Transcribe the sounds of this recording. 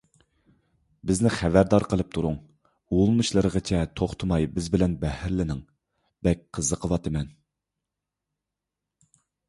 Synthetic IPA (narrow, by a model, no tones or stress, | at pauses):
bɪznɪχævæɾd̪ɑɾqʰəlˠɨp̚t̪ʰuɾuŋ | ulˠmɨʃlˠəɾəʁət͡ʃʰɛt̪ʰoχt̪ʰɨmɑjbɪzbɪlɛnbɛhɪɾlɪnɪŋ | b̥ɛk̚ʲqʰəzːəqʰəwɑt̪ʰɨmɛn